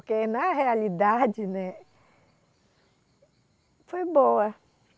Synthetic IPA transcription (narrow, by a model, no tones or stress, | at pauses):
kenãɦealid̪ad͡ʒinɛ̃ | fojboa